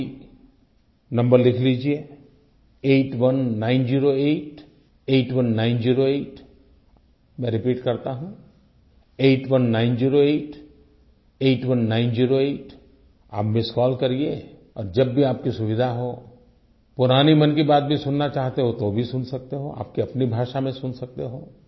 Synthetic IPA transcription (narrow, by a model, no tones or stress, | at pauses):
nɐ̃mbəɾlɪkʰliːd͡ʒie | eːʈʋɐnːãːɪnziːɾoeːʈ | eːʈʋɐnːãːɪ̃nziːɾoeːʈ | mɛ̃ːɾɪpiːʈkɐɾt̪aɦũ | eːʈʋɐnːãːɪ̃nd͡ʒiːɾoeːʈ | eːʈʋɐnːãːɪ̃nziːɾoeːʈ | a̰ːpmẽskɔːlkɐɾie | ɔːɾd͡ʒɐbːʱiaːp̚kisʊʋɪd̪ʱaɦo | pʊɾaːnimɐnkibaːt̪̚bʱisʊnːat͡ʃaːɦt̪eɦot̪obʱisʊnsɐk̚t̪eɦoa̰ːp̚kiɐpnibʱaːʃamẽsʊnsɐk̚t̪eɦoː